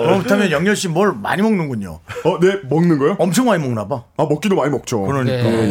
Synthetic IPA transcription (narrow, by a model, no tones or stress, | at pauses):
kɯɾʌmtʰamjʌnjʌŋɲjʌɭɕ͈inmwʌɭma̰ɲimʌŋnɯnɡuɲo̰ʌne̞mʌŋnɯnɡʌjoʌmt͡ɕʰʌŋmaɲimʌŋnabaamʌk͈idomaɲimʌk̚t͡ɕ͈ʰokɯɾʌɲi